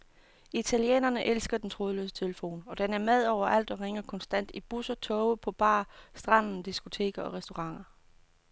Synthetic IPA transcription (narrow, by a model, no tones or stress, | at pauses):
it͡sʰæljḛːnɐnəʔelsɡ̥ɐd̥ent͡sʰʁo̝ːðˠlø̰ːsə̥t͡sʰe̝ləfo̝̰ːnɒ̽d̥enæɐmeð̞ˠɒʊ̰ɐʔæl̰d̥ɒ̽ʁeŋɐkʰɒ̽nsd̥æn̰d̥ib̥usɐt͡sʰɔʊəpʰɒ̽b̥ɑ̰̈ːsd̥ʁɑ̈n̰n̩d̥isɡ̥o̝t͡sʰe̝̰ːɡ̥ɐɒ̽ʁɛsd̥o̝ʁɑ̈ŋ̰ɐ